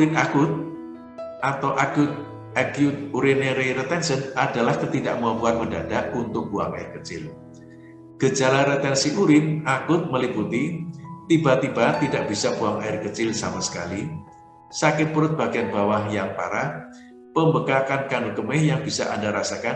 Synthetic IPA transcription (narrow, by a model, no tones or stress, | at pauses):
uɾɪnakʊt̪̚ | ʔat̪awʔaɡʊt̪̚ | ɛɡiut̪uɾineɾiɾət̪ɛnsənadalahkət̪ida̰ʔmuapuanmədadaʔunt̪ʊk̚b̥ua̰ŋa̰ɪrkət͡ʃɪ̰l | ɡ̥əd͡ʒalaɾət̪ɛnsiʔuɾɪnakʊt̪̚məliput̪it̪ibat̪ibat̪idaʔb̥isabuaŋaɪrkət͡ʃɪlsa̰masə̥kali | sakɪŋpəɾʊt̪̚b̥a̤ɡianb̥awahjaŋpa̰ɾa | pəmbəkakankanukəmɪhjaŋb̥isa̰ʔandaɾasakan